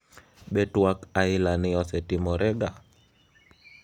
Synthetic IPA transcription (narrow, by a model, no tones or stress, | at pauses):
ɓɛtwakailaniɔsɛtimɔɾʔɛɡa